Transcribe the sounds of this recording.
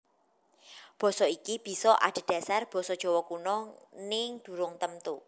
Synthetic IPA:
b̥ɔ̤sɔikib̥i̤sɔʔa̰d̥e̤d̥a̤sarb̥ɔ̤sɔd̥ʒ̥ɔ̤wɔkunɔnɪŋd̪̥ṳɾʊŋt̪əmt̪u

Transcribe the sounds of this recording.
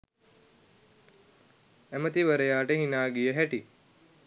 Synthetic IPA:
æmət̪iʋəɾəjaːʈəɦinaːɡijəɦæʈi

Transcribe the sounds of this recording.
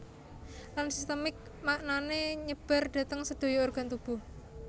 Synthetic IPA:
lansist̪əmɪk̚ | maʔnaneɲəb̥a̤rɖ̥a̤t̪əŋsəd̪̥o̤jɔorɡ̥a̤nt̪ub̥ṳh

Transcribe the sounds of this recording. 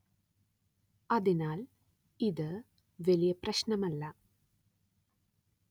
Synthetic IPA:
ɐðinaːl | iðɨ | ʋelijɐprɐɕnɐmɐlːɐ

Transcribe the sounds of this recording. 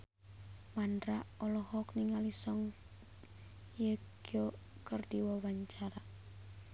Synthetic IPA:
mandɾaʔɔlɔhɔk̚niŋalisɔŋ | jəɡ̥ɔkərdiwawaɲt͡ʃaɾa

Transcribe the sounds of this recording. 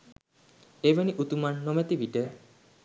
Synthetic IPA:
ebeniʔut̪umanːomet̪ibiʈe

